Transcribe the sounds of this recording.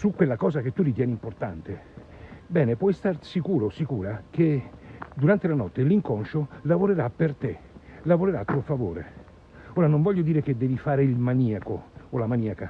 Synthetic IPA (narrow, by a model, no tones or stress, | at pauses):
sukːwelːakɔːzak̟et̪ːurːit̪jɛːnimport̪a̰nt̪e | bɛːnepwɔjst̪arsikuːɾosikuːɾak̟ed̪uɾant̪elanɔt̪ːeliŋkonʃolavoɾeɾapːert̪elavoɾeɾat̪ːuːofavoːɾḛ | oːɾanoɱvɔʎːod̪iːɾeked̪ːɛːvifaːɾeilmaniːakoolamaniːaka